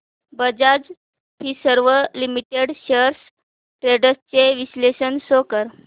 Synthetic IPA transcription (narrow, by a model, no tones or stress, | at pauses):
bəd͡zad͡z | pʰiːsəɾʋəlimiʈeɽɕəɾs | ʈɾeɽəst͡seʋisleɕənsokəɾ